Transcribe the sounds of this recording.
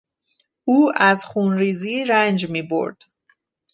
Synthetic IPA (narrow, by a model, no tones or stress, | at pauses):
ʔuːæzxuːnɾiːziːɾænd͡ʒmiːbo̰ɾd̪̥